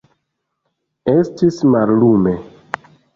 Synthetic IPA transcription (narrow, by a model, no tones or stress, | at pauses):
estismallume